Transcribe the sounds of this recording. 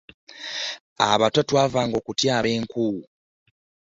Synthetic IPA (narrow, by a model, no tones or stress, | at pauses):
a̰βatatwaːvaːŋɡo̞ːkutjaːβe̞ːŋkuu